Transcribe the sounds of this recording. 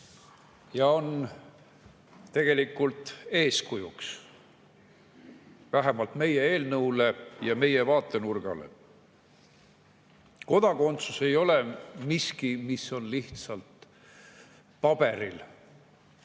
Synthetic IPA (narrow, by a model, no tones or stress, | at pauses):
jɑo̞n | t̪e̞ɡ̥e̞likːˑult̪e̞ːskujuks | væɦemɑlt̪me̞jee̞ːlnɤwle̞jɑme̞jevɑːt̪ˑːe̞nurɡ̥ɑ̰lḛ | ko̞d̪ɑko̞nt̪suse̞jo̞lemiskimisːo̞nliht̪sɑlt̪ | pɑb̥e̞ɾil